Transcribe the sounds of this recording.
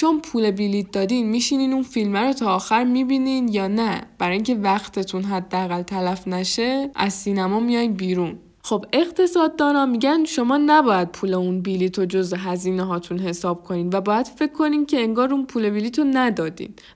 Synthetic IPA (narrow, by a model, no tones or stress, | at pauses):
t͡ʃʰo̞npʰuːle̞biliːt̪̚d̪ɒːd̪iːnmiːʃiniːnd̪unfilmæɾot̪ʰɒːxæɾmibiːninjɒːnæb̥æɾɒːjiŋʲkcʰe̞væχt̪ʰe̞t̪ʰunɦæd̪ːeæɣælt̪ʰælæfnæʃe̞æ̰zsiːnæmɒːmijɒjnbiːɾun | xo̞be̞ɣt̪ʰe̞sɒːd̪ːɒːnɒmːiɟænʃo̞mɒːnæbɒːjæd̪̚pʰule̞unbiliːt̪ʰod͡ʒo̞zeɦæziːneɦɒːt̪ʰunɦe̞sɒːb̥̚kʰoniːd̪væbɒːjæd̪̥fe̞cʰːo̞niːncʰe̞eŋɡɒːɾunpʰuːle̞biliːt̪ʰonæd̪ɒːd̪ḭn̥